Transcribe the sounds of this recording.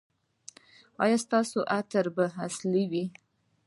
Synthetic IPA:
ɑ̰jɑst̪ɑsoʔat̪əɾbaɦasliwi

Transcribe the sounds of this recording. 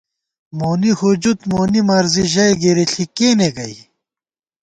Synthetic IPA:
moːnihud͡ʑut̪moːnimɐɾziʑɐjɡeɾeɬʰikeːneɡɐi

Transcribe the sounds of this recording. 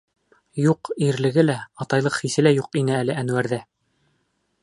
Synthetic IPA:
juqiɾlɘ̆ɡɘlæɑt̪ɑjlˠɤqχisɘ̆læjuqinɘælɘænwæɾðæ

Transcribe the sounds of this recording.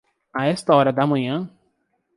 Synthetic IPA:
aɛst̪ɐɔɾɐd̪ɐmɐ̃ɲɐ̃

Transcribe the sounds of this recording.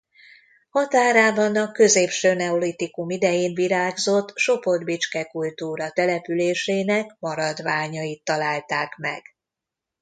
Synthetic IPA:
hɒt̪aːɾaːbɒnɒkø̞zeːpʃøːnɛolit̪ikumid̪ɛjeːnviɾaːɡzo̞t̪ːʃo̞po̞rd̪bit͡ʃkɛkult̪uːɾɒt̪ɛlɛpyleːʃeːnɛkmɒɾɒd̪ʋaːɲɒjit̪ːɒlaːlt̪aːkmɛ̰ɡ̥

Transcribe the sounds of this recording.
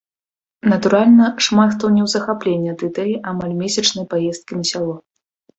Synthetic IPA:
nɐt̪uɾalʲnɐʂmat̪xt̪ɔnʲɛwzɐxaplʲenʲːɐɐd̪ɨt̪ɛlʲiʔamalʲmʲesʲɐt͡ʂnɐjpajɛst̪̚kʲinɐsʲalˠɔ

